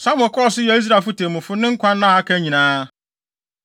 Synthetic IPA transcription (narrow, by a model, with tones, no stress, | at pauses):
sã˦m˨ʊ̃˨kʰɔ˦˨s̬ʊ˦jɛ˨˦i˦s̬ɾa˨fʊ˦tʰẽ˨mʊ̃˨fʊ˦nɪ̃˦ŋ̩˦kʷʰã˦nː˦ã˦ha˦kʰæ˦ɲĩ˨nãː˦